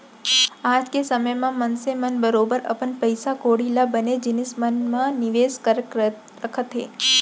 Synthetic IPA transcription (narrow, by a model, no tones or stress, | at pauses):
ad͡ʒkesəməjmãmənsemənbəɾobəɾə̰pəɳpəjsakoɽilabəned͡ʒinismənmãniʋeskəɾ | əkʰət̪ʰe